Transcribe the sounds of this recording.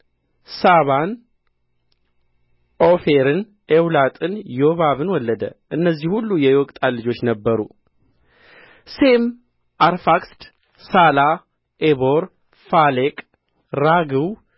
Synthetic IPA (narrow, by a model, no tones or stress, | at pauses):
saβan | ofeɾɨn | ewlat̪ʼɨnjoβaβɨnwɔlːəd̪ə̰ʔɨnːəzːihhulːujɛwɔkʼt̪ʼalɨd͡ʒo̞t͡ʃːnəbːəɾṵ | sem | aɾfakst̪ | sala | ʔeβo̞ɾ | falekʼ | ɾaɡɨw